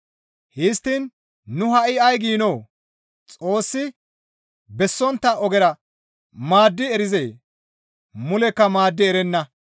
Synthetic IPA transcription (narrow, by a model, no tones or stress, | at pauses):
hɪst̪ːiːnː | ʊhɐʔɪɐjɡiːnoː | t͡sʼo̞ːsːɪ | bɛsːɔnt̪ːɐɔɡɛɾɐ | maːd̪ːɪɛɾɪzeː | mʊlɛkːɐmaːd̪ːɪɛɾɛnːɐ